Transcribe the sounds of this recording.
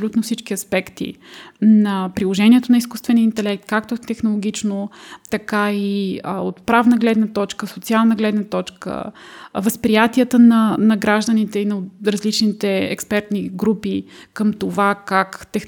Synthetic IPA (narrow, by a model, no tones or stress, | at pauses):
lut̪nofsit͡ʃk̟iɐspɛkt̪ḭnɐpɾilˠoʒɛniɛt̪onɐiskust̪vɛniəint̪ɛlɛk̚t̪kak̚t̪ot̪ɛxnolˠoɡʲit͡ʃnot̪ɐkaiəo̰t̪pɾavnəɡlɛd̪nɐt̪ɔt͡ʃkəsot̪sialˠnəɡlɛd̪nət̪ɔt͡ʃkə̰vəspɾijat̪iət̪ənɐnɐɡɾaʒd̪ənit̪ɛinɐɾɐzlit͡ʃnit̪ɛɛ̰kspɛɾt̪niɡɾupikəmt̪ovakakt̪ɛx